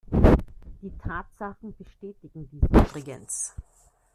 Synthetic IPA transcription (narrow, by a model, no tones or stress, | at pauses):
d̥iːtʰaːtz̥aχn̩b̥əʃtɛːtɪɡŋ̩diːsʔy̰ːbʁɪɡə̰ns